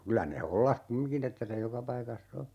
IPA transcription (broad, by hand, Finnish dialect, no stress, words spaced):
kylæ ne holːɑh kumːiŋkin etːæ se jokɑ pɑikɑsː o